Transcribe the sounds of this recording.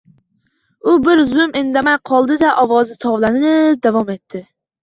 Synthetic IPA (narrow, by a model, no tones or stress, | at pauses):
ʊbɪɾzʊmʔɪnd̪amajqʰɒlˠd̪ɪd̪aʔɒwɒzɪt̪ʰɒwlˠanɪɪp̚d̪avɒme̞t̪ʰːɪ